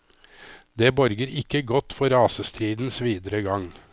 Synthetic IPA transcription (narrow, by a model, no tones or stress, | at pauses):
d̪eːbɔɾɡəɾɪkːəɡɔt̪fɔɾɑːsəst̪ɾiːd̪n̩sʋiːd̪əɾəɡɑŋ